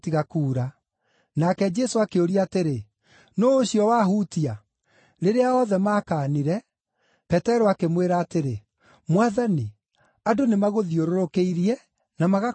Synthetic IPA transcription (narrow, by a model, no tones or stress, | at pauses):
tiɣakuːɾa | nakɛd͡ʒɛsoakeoɾiaːteɾe | nɔːɕjɔwaɦuːtia | ɾeɾeaɔðɛmaːkaːniɾɛ | pɛtɛɾoakemweɾaːteɾe | mwaðani | adonemaɣoðioɾoɾokeiɾiɛ | namaɣa